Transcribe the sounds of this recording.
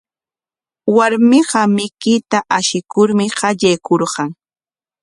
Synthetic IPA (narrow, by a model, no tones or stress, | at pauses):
waɾmɪɢɑmɪkɪt̪aʔaʃɪkʊɾmɪɢɑʎajkoɾɢɑŋ